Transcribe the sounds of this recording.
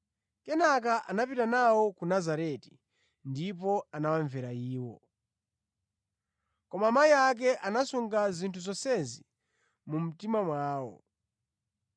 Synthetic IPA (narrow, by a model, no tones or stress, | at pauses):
kɛnakaʔanapitanawɔkunazaɾɛti̥ | ndipɔanawaɱvɛɾaiːwɔ̰ | kɔmamaiak̬ɛʔanasuŋɡazintʰuzɔsɛzi | mum̩timamwaːwɔ̰